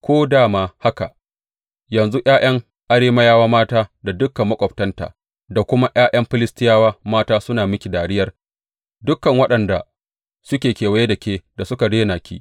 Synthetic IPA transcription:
kʷoː˦daː˦˨maː˦ha˦ka̰˨ʔ | jɐ˨nzu˦ʔj̰aː˦j̰ɐ˦ŋ | ʔa˦ɽeː˦mɐ˦jaː˦waː˦maː˦taː˦da˨dʊ˦kːɐ˨mːɐ˦kʷʼɔ˨ptɐ˦nta̰ː˨ | da˨kʷʊ˦ma˦ʔj̰aː˦ʔɐ˦mɸɪ˦lɪ˦stɪ˦jaː˦waː˦maː˦taː˦sʊ˦naː˨mɪ˦kʲi˨daː˨ɽɪ˦jɐ˦r | dʊ˦kːɐ˨ŋwɐ˦ɗɐ˨nda˨ | sʊ˦kʲeː˨kʲeː˨wɐ˦je˦dɐ˨kʲeː˦da˨sʊ˦ka˨deː˦naː˨kʲḭː˦

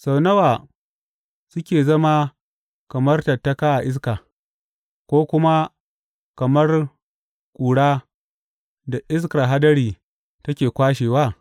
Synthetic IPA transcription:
sa˨wnɐ˦waː˨ | sʊ˦kʲeː˨zɐ˦ma˦ | kɐ˨mɐ˦rtɐ˨tːa˦ka˦ʔa˨ʔɪ˦s̬kaː˨ | kʷoː˦kʷʊ˦ma˦ | kɐ˨mɐ˦r | kʼuː˨ɽaː˦ | da˨ʔɪ˦s̬ka˨ɦa˦dɐ˦ɽiː˨ | tɐ˦kʲeː˨kʷaː˦ʃeː˨waː˦˨

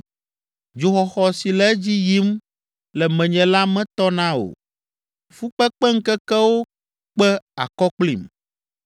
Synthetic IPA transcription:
d͡ʒu˨xɔ˨xɔ˨si˨lɛ˦d͡ʑi˦ji˦m | lɛ˨mɛ̃˨ɲɛ̃˨la˦mɛ̃˦t̪ɔ˦nã˦o̰˨ | fu˦k͡pɛ˦k͡pɛ˦ŋ̩˦kɛ˦kɛ˦wo˦ | k͡pɛ˦a̰˨kɔ˦k͡plḭ˨m

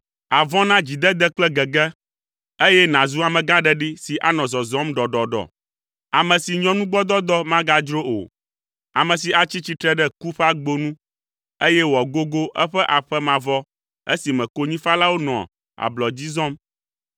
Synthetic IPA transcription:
a˨vɔ̃˦nã˦d͡ʑi˨d̪ɛ˦d̪ɛ˦k͡plɛ˦ɡɛ˨ɡɛ˦ | e˦jɛ˦nã˨zu˦a˨mɛ̃˨ɡa˦ɖɛ˦ɖi˦si˨ʔa̰˦nɔ̃˨zɔ˨zɔ˦mɖɔ˨ɖɔ˨ɖɔ̰˨ | a˨mɛ̃˨si˨ɲɔ̃˦nũ˦ɡ͡bɔ˦d̪ɔ˦d̪ɔ˦mã˦ɡa˦d͡ʒɾo˦o̰˨ | a˨mɛ̃˨s̬i˨a˨t͡ɕi˦t͡ɕi˦t̪ɾɛ˦ɖɛ˦ku˦ɸa˦ɡ͡bo˦nũ˦ | e˦jɛ˦wɔ˨ɡo˦ɡo˦ʔɛ˦ɸɛ˦ʔa˨ɸɛ˦mã˨vɔ˦ | ḛ˦si˨mɛ̃˨ko˦ɲĩ˦fa˦la˦wo˦nɔ̰̃˨ | a̰˨blɔ˨d͡ʑi˦zɔ̃˦m

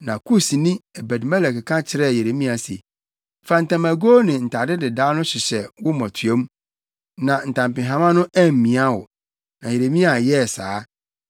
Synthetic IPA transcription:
nã˨kʰu˦si˨nĩ˦ɛ˨bɛ˨dmɛ˦lɛ˨kkʰã˦t͡ɕʰɪ˨˦ɾɛ˦˨je˨ɾe˨mĩ˦a˨sḛ˨ | fa˨n̩˨tʰã˨mæ˨ɡoː˦nɪ̃˨n̩˨tʰa˨dɪ˦dɪ˨daː˦nʊ̃˦ɕɪ˨ɕɛ˨wʊ˦mɔ̃˨tʰɥe˦m˦ | nã˨n̩˨tʰã˨mpɪ̃˨ɦã˨˦mã˦nʊ̃˦æ˦˨m̩˨mĩ˨a˦wʊ̰˨ | nã˨je˨ɾe˨mĩ˦a˨jɛ˦˨saː˨˦

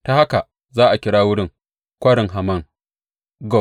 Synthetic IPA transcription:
ta˦ha˦ka˨ | zaː˦ʔa˨kʲɪ˦ɽaː˦wʊ˦ɽɪ˦ŋ | kʷɐ˦ɽɪ˨ŋɦa˨mɐ˦˨ŋ | ɡɔ˦˨

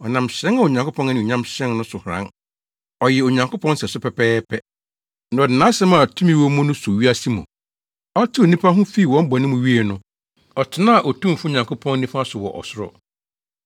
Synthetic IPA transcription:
ɔ˨nã˨mɕɾɛ̃˦na˨o˨ɲã˨kʰo˦pʰɔ̃˦nɛ˦ĩ˨ɲã˦mɕɛ̃˦nnʊ̃˦sʊ˨hʊ˨ɾã̰˦ | ɔ˨jɛ˨o˨ɲã˨ŋkʰo˦pʰɔ̃˦n˦sɛ˨sʊ˦pʰɛ˨pʰɛː˦pʰɛ˦ | nã˨ɔ˨dɪ˨nã˦ɕɛ̃˦mã˨tʰũ˦mĩ˦wɔ˦mʊ̃˦nʊ̃˦sʊ˨ɥi˦a˦si˦mʊ̰̃˨ | ɔ˦tʰɪ˦o˨nĩ˦pʰa˦ɦʊ̃˦fi˦˨wɔ̃˦m˦bɔ˨nɪ̃˦mʊ̃˨ɥi˦e˨nʊ̃˦ | ɔ˨tʰɪ˨˦nã˦a˨ʔɔ˨tʰũ˦˨fu˦˨ɲã˨kʰʊ˦pʰɔ̃˦nː˦ĩ˦fa˦sʊ˨wɔ˨ʔɔ̰˨sʊ˦ɾɔ̰˨

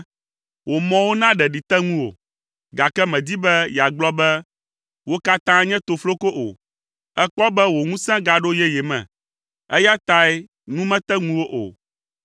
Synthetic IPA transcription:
wo˨mɔ̃˦wo˦nã˦ɖɛ˨ɖi˨t̪ɛ˦ŋũ˦wo̰˨ | ɡa˨kɛ˦mɛ̃˨d̪i˦bɛ˦jɛ˨a˨ɡ͡blɔ˦bɛ˦ | wo˦ka˦t̪ã˦ɲɛ̃˦t̪o˨flo˦ko˦ʔo̰˨ | ɛ˦k͡pɔ˦bɛ˦wo˨ŋũ˦sɛ̃˦ɡa˨ɖo˦jɛ˦jɛ˨mɛ̰̃˨ | ɛ˦ja˦t̪a˦ɛ˦ | nũ˦mɛ̃˦t̪ɛ˦ŋũ˦wo˦ʔo̰˨

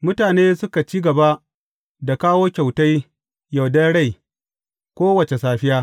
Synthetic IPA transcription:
mʊ˦taː˨neː˦sʊ˦ka˨t͡ʃiː˦ɡɐ˨ba˦ʔ | da˨kaː˦woː˦kʲa˨wta˦j | ja˨wdɐ˦nɽa˦˨j | kʷoː˦wɐ˨t͡ʃe˨saː˨ɸɪ˦jaː˦

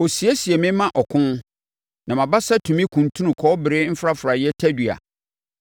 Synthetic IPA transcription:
o˨si˨e˦si˨e˨mɪ̃˦mã˦ʔɔ˨kʰʊ̃˦n | nã˨mã˨ba˦sa˦tʰũ˨mĩ˦kʰũ˨n˨tʰũ˦nũ˨kʰɔː˦bɪ˨ɾɪ˦m̩˦fɾa˦fɾa˨jɛ˦tʰæ˦dɥa̰˨

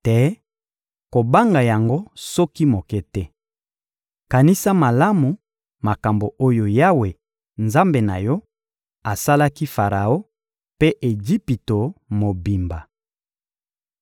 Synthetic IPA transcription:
tɛ˦ | ko˨ba˦ŋɡa˨ja˨ŋɡo˦sɔ˦ki˦mo˨kɛ˦tɛ˦ | ka˨ni˦sa˦ma˨la˦mu˨ | ma˨ka˨mbo˨ʔo˦jo˨ja˦we˨ | nza˦mbe˨na̰˨jɔ˦ | a˨sa˦la˦ki˦fa˨ʁa˨o˦ | pe˦ʔe˨d͡ʒi˦pi˨to˨mo˨bi˨mba˨

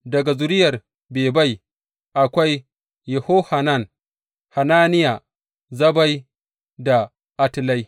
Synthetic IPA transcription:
dɐ˨ɡa˨zʊ˨ɾɪ˦jɐ˨r | beː˨ba˦j | ʔa˨kʷa˦j | jɛ˨ho˦ha˨na˦˨n | ha˨naː˦nɪ˦ja˨ | zɐ˦ba˦j | da˨ | ʔa˦tɪ˦la˦j

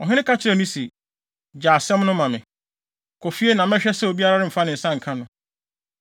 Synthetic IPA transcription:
ɔ˨ɦɪ̃˦ɪ̃˦kʰa˦t͡ɕʰɪ˦ɾɛ˨nĩ˦se˨ | d͡ʑaː˨sɛ̃˦m˦nʊ̃˦mã˨mɪ̰̃˨ | kʰɔ˨fi˦e˦nã˨m˦ɛ̃˦ɕᶣɛ˦sɛ˦o˨bi˦a˦ɾa˦ɾɪ˦m̩˨fa˦nɪ̃˨n̩˨sã˦ŋ̩˨kʰã˦nʊ̃˨

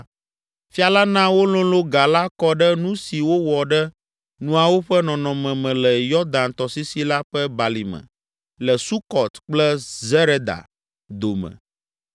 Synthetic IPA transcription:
fi˦a˨la˦nã˦wo˦lõ˦lo˦ɡa˨la˦kɔ˦ɖɛ˦nũ˦si˨wo˦wɔ˨ɖɛ˦ | nũ˦a˨wo˦ɸɛ˦nɔ̃˨nɔ̃˨mɛ̃˨mɛ̃˨lɛ˨jɔ˦d̪a˨nt̪ɔ˨si˦si˦la˦ɸɛ˦ba˨li˨mɛ̰̃˨ | lɛ˨su˦kɔ˨t̪k͡plɛ˦zɛ˦ɾe˦d̪a̰˨ | d̪o˨mɛ̰̃˨

